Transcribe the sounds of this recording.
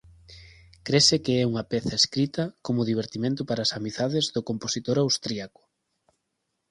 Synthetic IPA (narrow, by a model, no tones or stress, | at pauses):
kɾesekeɛuŋɐpɛθɐeskɾit̪ɐkomʊðiβ̞eɾt̪imẽnt̪ʊpaɾaːsamiθaðezðʊkomposit̪oɾawst̪ɾiakʊ̥